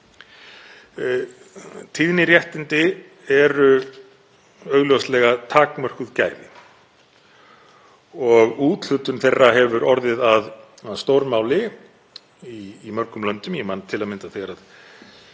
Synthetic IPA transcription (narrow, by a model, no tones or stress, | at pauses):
t̪ʰiðnɪɾjɛht̪ɪnt̪ɪ | ɛɾʏ | œːɥɣljowslɛɣat̪ʰaːkmœr̥kʏðca̰ːjvɪ̰ | ɔɣuːt̪l̥ʏt̪ʏnθejrːaɦɛvʏɾɔɾðɪðað | aðst̪owɾmaːwlɪ | iːmœɾ̥kʏmlœnt̪ʏmjɛmant̪ʰɪlaðmɪnt̪aθɛɣaɾað